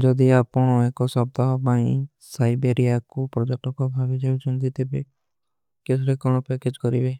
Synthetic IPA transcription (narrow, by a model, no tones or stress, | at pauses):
d͡ʒɔd̪iapɔɽ̃ɔekɔsɔbd̪aɦbaĩ | sajbeɾijakupɾɔd͡ʒek̚ʈɔkɔbʱabid͡ʒabit͡ʃʰɔnt̪it̪ebe | kesʰɾekɔɽ̃ɔpeked͡ʒkɔɾibe